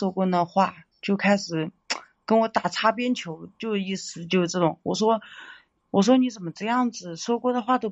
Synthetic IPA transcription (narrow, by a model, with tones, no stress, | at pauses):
wɔ˥kwɔ˥nd̪ə˧xwa˥˩t͡ɕjo˥˩ʊkʰa˥ɪʂɻ̩˨˩˦ | kə˥nwɔ˧˥t̪a˨˩t͡sʰa˥pjɛ˥nt͡ɕʰjo˧˥ʊt͡ɕjo˥˧ʊʂi˥˩sɹ̩˨˧˩t͡ɕjo˥˧ʊʂʈ͡ʂɤ˥˩ʈ͡ʂʊ˨˩˦ŋwɔ˨˩ʂwɔ˥ | wɔ˨˩ʂ̬wɔ˥ni˧˥t͡sə˨˩nmə˦ʈ͡ʂɤ˥˧jɑ˥˩ŋd͡zɹ̩˨˩ʂwɔ˥kwɔ˥d̪ə˨xwa˥˩t̪o˥ʊ